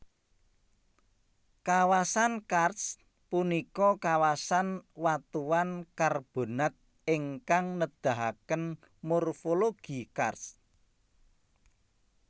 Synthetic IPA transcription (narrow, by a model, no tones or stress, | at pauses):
kawasankars | punikɔkawasanwat̪uwankarb̥o̤nat̪̚ | ɪŋkaŋnəd̪̥a̤ɦakən | murfoloɡ̥ikars